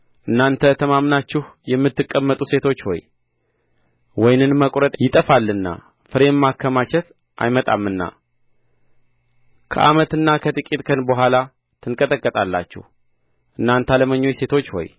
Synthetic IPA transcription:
ʔɨnːant̪ʰət̪ʰəmamnat͡ʃːɪhjɛmːɨt̪ːɨkʼːəmːət̪ʼuse̞t̪ʰo̞t͡ʃːho̞̰j | wɔjnɨnməkʼɾət̪ʼjɪt̪ʼəfalːɨnːa̰ | fɨɾe̞mːakʰːəmat͡ʃɛt̪ | ʔa̰jmət̪ʼa̰mːɨnːa̰ | kʰə̰ʔa̰mət̪ɨnːakʰət̪ʼɨkʼit̪ʼkʰənbəɦʷala | t̪ʰɨnkʼət̪ʼəkʼːət̪ʼalːa̰t͡ʃːɪ̰h | ʔɨnːant̪ʰaləməɲːo̞jse̞t̪ʰo̞t͡ʃːho̞̰j

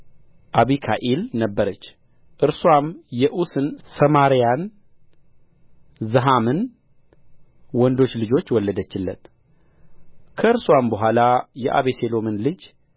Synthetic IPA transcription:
ʔaβikʰaʔelnəbːəɾət͡ʃː | ʔɨɾswamjɛʔusɨnsəmaɾijan | zɨɦamɨn | wɔnd̪o̞t͡ʃːlɨd͡ʒo̞t͡ʃːwɔlːəd̪ət͡ʃːɪlːə̰n | kʰəɨɾswambəɦʷalajɛʔa̰βeselo̞mɨnlɨd͡ʒ

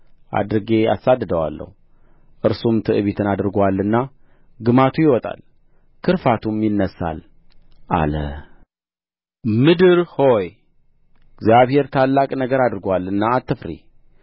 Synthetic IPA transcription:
ʔa̰d̪ɾɨɡe̞a̰sad̪ːɨd̪əwa̰lːə̰hu | ʔɨɾsumt̪ʰɨʔɨβit̪ʰɨnad̪ɨɾɡalːɨnːa | ɡɨmat̪ʰujɪwɔt̪ʼa̰l | kʰɨɾfat̪ʰumjɪnːəsa̰l | ʔa̰lə̰ | mɨd̪ɨɾho̞j | ɪɡzjaβhe̞ɾt̪ʰalːakʼnəɡəɾad̪ɾɨɡwalːɨnːaːt̪ʰːɨfɾḭ

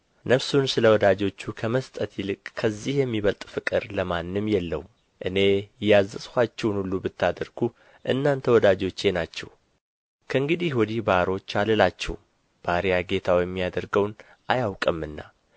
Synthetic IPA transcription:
nəβsunsɨləwɔd̪ad͡ʒo̞t͡ʃːukʰəməst̪ʼət̪jɪlɨkʼkʰəzːihjɛmːiβəlt̪ʼfɨkʼɨɾləmanːɨmjɛlːəwum | ʔɨne̞jazːəskʷat͡ʃːɛwnulːubɨt̪ːad̪əɾɡ̥u | ʔɨ̰nːant̪ʰəwɔd̪ad͡ʒo̞t͡ʃːe̞nat͡ʃːɛ̰w | kʰəɨŋɡɨd̪ihwɔd̪ihbaɾo̞t͡ʃːalɨlat͡ʃːɛ̰w | b̥aɾijaɡe̞t̪ʰawjɛmːijad̪əɾɡəwn | ajawkʼɨmːɨnːa̰

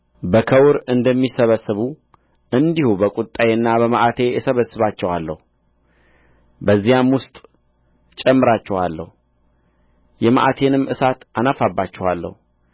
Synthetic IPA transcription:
bəkʰəwɾɨnd̪əmːisəβəsːɨβu | ʔɨnd̪ihubəkʼut̪ʼːajenːabəmaʔat̪ʰe̞jɛsəβəsːɨβat͡ʃːɛwalːə̰hu | bəzːijamwʊst̪ʼ | t͡ʃʼɛmːɨɾat͡ʃːɛhalːə̰hu | jɛma̰ʔa̰t̪ʰe̞nɨmːʔɨsat̪ʔanafabːat͡ʃːɛhalːə̰hu

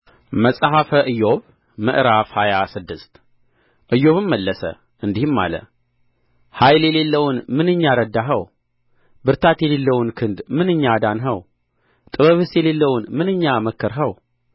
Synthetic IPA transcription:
məsʼɦafəʔɨjo̞β | mɨ̰ʔɾafhajasɨd̪ːɨst̪ | ʔɨjo̞βɨmməlːəsə̰ | ʔɨnd̪ihɨmːa̰lə̰ | hajljelelːəwʊnmɨnɨɲːaɾəd̪ːaɦəw | bɨɾt̪ʰat̪jɛlelːəwunkʰɨnd̪mɨnɨɲːad̪anɦəw | t̪ʼɨβəβɨsjɛle̞lːəwnmɨnɨɲːaməkːɨɾɦəw

